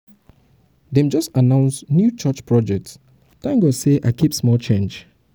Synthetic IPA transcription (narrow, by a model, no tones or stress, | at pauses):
dɛ̃md͡ʒɔstanãʊ̃nsnjut͡ʃat͡ʃpʰɹɔd͡ʒɛk̚ts | tãŋɡɔseʔaɪkipsmɔlt͡ʃẽnd͡ʒ